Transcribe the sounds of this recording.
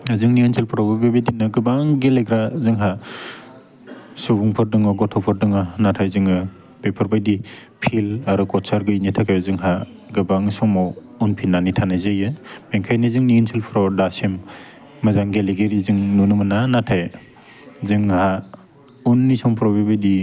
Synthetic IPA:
azɯŋniŋinsʰelpʰɾɔbabebedinɯɡɯbaŋɡeleɡɾazɯŋɦa | subuŋpʰɯɾdɯŋɯɡɔtʰɔpʰɯɾdɯŋɯnatʰajzɯŋɯ | bepʰɯɾbajdi | pʰilaɾɯkɔsʰaɾɡɯinitʰakʰajzɯŋɦa | ɡɯbaŋsɔŋmɔ | unpʰinːanitʰanɯzejɯmeŋkʰajnɯzɯŋniinsʰilpʰɾɔdasimː | ɯzaŋɡeleɡeɾizɯŋnunɯmɯnanatʰaj | zɯŋha | unːisɔŋpʰɾɔbebedi

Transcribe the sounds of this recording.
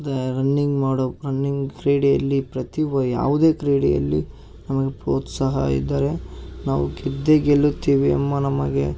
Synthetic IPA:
d̪eɾɐnːiŋɡmaːɽoɾɐnːiŋɡkɾiːɽijɐlːipɾɐt̪iʋɐja̰ːʋud̪e̞ːkɾiːɽijɐ̰lːḭ | nɐmɐɡe̞pɾoːt̪saːɦɐ̰ḭd̪ːaːɾe̞naːʋuɡed̪ːeɡeɭːut̪ːiːʋiɐ̰mːɐnɐmɐɡe̞̰

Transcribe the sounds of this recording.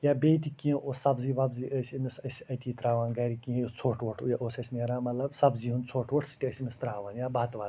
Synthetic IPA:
jaːbeːt̪ikĩʔoːsɐbziːʋɐbziʔəːsʲimisɐsʲɐt̪ʰiːt̪ɾaːʋaːnɡɐɾikĩt͡sʰoːʈʰʋoʈʰjaʔoːsɐsʲneːɾaːmɐt̪lɐbsɐbziɦunt͡sʰoːʈʰʋoʈʰsi̥t̪ʲiəsʲimist̪ɾaːʋaːnjaːbat̪ʋa

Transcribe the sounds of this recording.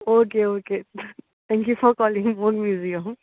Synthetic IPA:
okeoːke | t̪ʰɛ̃ŋkjufɔɾkɔːlɪ̃ŋmɔʈmjuːzijə̃m

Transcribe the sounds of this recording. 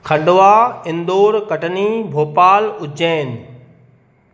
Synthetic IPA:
kʰɐ̃ɳɖoʋaːɪ̃nd̪oːɾkɐʈənibʱoːpaːlʊd͡ʑeːnɪ̆

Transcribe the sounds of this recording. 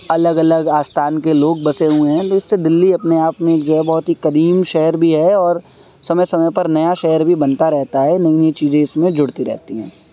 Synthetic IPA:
ɐləɡɐləɡaːst̪ʰaːnkeloːɡ̚bɐseɦuẽɦɛ̃t̪oɪsːed̪ɪlːiɐpneaːpmẽeːk̚d͡ʒoːɦɛbɔɦʊt̪ɦikɐɾiːmʃɛɦəɾbʱiɦɛɔːɾ | sɐməjsɐməjpɐɾnɐjaʃɛɦəɾbʱibɐ̃nt̪aɾɛɦt̪aɦɛnɐĩnit͡ʃiːzẽɪsmẽd͡ʒʊɽt̪iɾɛ̰ɦt̪iɦɛ̰̃ː

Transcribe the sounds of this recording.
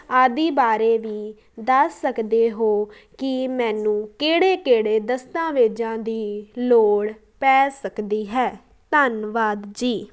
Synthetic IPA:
aːd̪iːbaːɾeːʋiː | d̪əsːəkd̪eːɦoː | kɪmɛ̃ːnũːkeːɽeːkeːɽeːd̪əst̪ãːʋeːd͡ʒãːd̪iːloːɽ | pɛːsəkd̪iːɦɛː | t̪ənʋaːd̪d͡ʒiː

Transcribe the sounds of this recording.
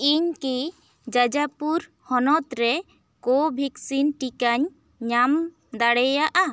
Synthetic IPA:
iɲki | d͡ʒad͡ʒapuɾ | hɔnɔt̪ɾɛ | kobʱiksinʈikaɲː | am | d̪aɽɛjaʔa

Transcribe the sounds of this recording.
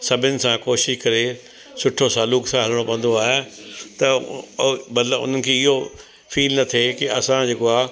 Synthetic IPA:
sɐbʱɪnɪ̆sãkoːʃɪʃkɐɾe | sʊʈʰosaːluːksãɦɐlɪɽ̃opɐ̃ə̃nd̪oaːɦet̪ɐ | mɐt̪ləbʊ̰n̤ənɪ̆kʰeːɪɦo | fʰiːlnɐt̪ʰekɪɐsãd͡ʑeːkoaː

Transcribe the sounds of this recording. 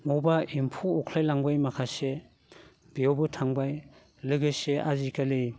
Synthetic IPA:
mowbaimpʰuːkʰlajlaŋbajmakʰase | biɔwbɯtʰaŋbaj | lɯɡɯseʔazikali

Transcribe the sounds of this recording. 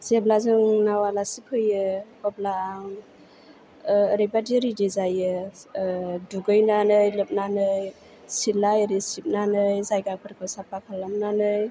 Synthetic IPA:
z̥eblazɯŋnawalasikʰɯjɯkɔblaŋ | ɾijbadiɾidizajɯ | duɡɯjnanɯjlɯp̚nanɯj | silajɾisip̚nanɯjzajɡakʰɯɾkʰɯsapakʰalːamnanɯj

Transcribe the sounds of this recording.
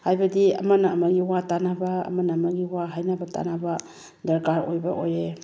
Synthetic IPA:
hajbɐdiɐ̰mɐnɐːmɐɡiwatanabɐ̰ːmɐnaːmɐɡiwaɦajnabɐta̰nabɐ | dɐɾkaɾo̰jbɐ̰ʔoje

